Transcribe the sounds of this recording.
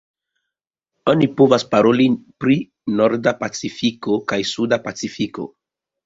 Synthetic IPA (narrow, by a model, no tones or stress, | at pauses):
o̞nipovaspaɾolipɾi | noɾdapat͡sifiko̞kajsudapat͡sifiko̞̰